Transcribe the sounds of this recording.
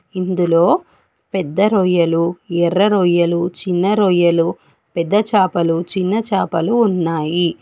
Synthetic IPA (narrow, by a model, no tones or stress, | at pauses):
ind̪ulo̞ː | pɛd̪ːɐɾɔjɐluɛrːɐɾɔːjɐlut͡ʃinːɐɾɔːjɐlu | pɛd̪ːɐt͡ʃaːpɐlut͡ʃinːɐt͡ʃaːpɐluːnːaːji